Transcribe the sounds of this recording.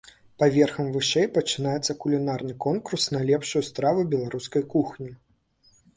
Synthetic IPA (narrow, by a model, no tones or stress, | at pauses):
pavʲɛrxɐmvɨʂɛjpɐt͡ʂɨn̪ajɛt̪sːɐkulʲinarnɨkɔnkursnɐlʲɛpʂujust̪ɾavubʲɛlˠaɾuskɐjkuxnʲi